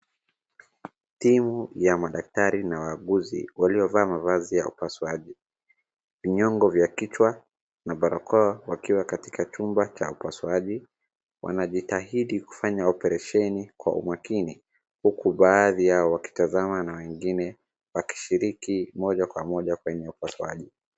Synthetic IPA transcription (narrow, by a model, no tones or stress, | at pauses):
timujamaɗak̚taɾinawaːɠuzḭwaliɔvaːmavazijaupaswaʄi | viɲɔŋɡɔvjakit͡ʃwa | naɓaɾɔkʰɔawakiwakati̥kʰat͡ʃumbat͡ʃa̰upaswaʄi | wʔa̰naʄitaɦiɗiku̥faɲaɔpɛɾɛʃɛnikwa̰ʔṵmakini | hukuɓaːðijaɔwaki̥tazamanawɛŋɡinɛ | waki̥ʃiɾikimɔʄakwamɔʄakwɛɲɛupaswaʄi